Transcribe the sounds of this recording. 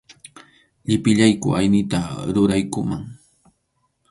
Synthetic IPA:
ʎɪpɪʎajkʊ̰ajnɪt̪aɾʊɾajkʊmaŋ

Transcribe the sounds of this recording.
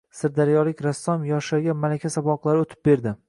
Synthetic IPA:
sɪɾd̪aɾjɒlɪkʲɾasːɒmjɒʃaɡʲamalakʲʰasabɒqlˠaɾɪot̪ʰɪ̥p̚be̞ɾd̪ɪ

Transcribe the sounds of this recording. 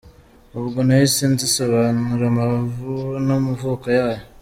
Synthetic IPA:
oβuɡonajisinzisoβanuɾama | nomuvukajaːjo

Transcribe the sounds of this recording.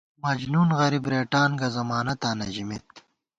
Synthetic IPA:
mɐd͡ʑnuːnɣɐɾibɾeːʈaːnɡɐzɐmaːnɐt̪aːnɐʑimet̪̚

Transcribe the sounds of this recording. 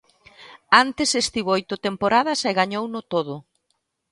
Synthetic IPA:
ant̪ɪsest̪iβojt̪ʊt̪empoɾaðɐsɛɣaɲownʊt̪oðʊ

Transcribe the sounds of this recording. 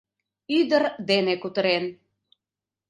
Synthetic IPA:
yd̪əɾd̪enekut̪ə̆ɾen

